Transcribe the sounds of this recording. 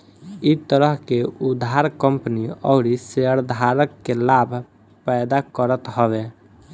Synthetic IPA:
it̪əɾəɦkeud̪ʱaɾkəmpəniɔʊɾiseəɾd̪ʱaɾəkːelabʱ | pɛɪd̪akəɾət̪ɦɔbe

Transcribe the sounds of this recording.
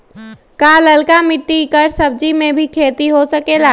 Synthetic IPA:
kaləlkamɪʈːikəɾsəb̚d͡ʒimẽbʱikʰeːt̪iɦosəkela

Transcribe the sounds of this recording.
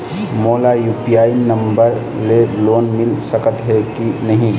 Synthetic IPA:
moːlajuːpijaːinə̃mbəɾ | leloːnmɪlsəkət̪ɦɛkinəɦĩ

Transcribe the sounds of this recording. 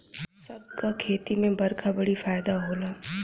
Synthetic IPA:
sɐb̚kakʰeːt̪imẽbɐɾkʰabɐɽifaːjd̪aɦoːlaː

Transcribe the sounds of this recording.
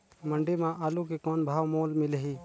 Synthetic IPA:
mə̃ɳɖimãʔaːlukekɔːnbʱaːʋmoːlmɪleɦiː

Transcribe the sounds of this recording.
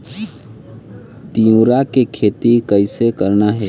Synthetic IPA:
t̪ijũɾakekʰeːt̪ikəɪsekəɾnaɦɛː

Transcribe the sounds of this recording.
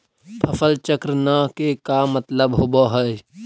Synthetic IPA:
p̪ʰəfəlt͡ʃəkɾənaːkekamːət̪ləbɦoboɦəe

